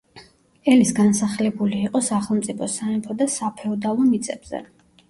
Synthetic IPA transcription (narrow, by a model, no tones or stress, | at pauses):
ɛlisɡansaχlɛbuliːqʼɔsaχɛlˠmt̪sʼipʰɔsaɛmpʰɔd̪asapʰɛɔd̪alˠɔmit̪sʼɛbz̥ɛ̰